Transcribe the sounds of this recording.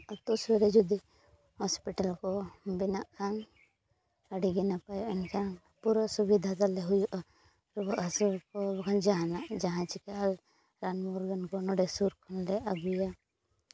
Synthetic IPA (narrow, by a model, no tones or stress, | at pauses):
ɔt̪ɔʔsɛɾɛd͡ʒud̪i | hɔspiʈalkɔbinaʔkʰan | aɖiɡɛnapajɔʔɛnkʰan | puɾɔsubid̪ʱat̪alɛɦujuʔa | ɾubɔʔɦasuɾkɔbɔkʰand͡ʒaɦanaʔd͡ʒaɦãt͡ʃikaʔal | ɾanmɔɾɡɔnkɔnɔɖɛsuɾkʰɔnlɛʔaɡuja